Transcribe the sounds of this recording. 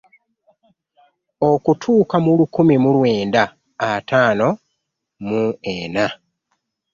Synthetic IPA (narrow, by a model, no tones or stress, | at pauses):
o̞kutʰuːkamulukumimulweːnda | ataːno̞ | muena